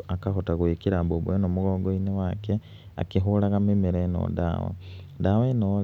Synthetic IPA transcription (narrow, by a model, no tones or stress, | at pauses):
akaxotaɣwikiɾabobuenoːmuɣoɡoinewake | a̰kixulaɣamimeɾeno̰ːda̰wo̰ | daweno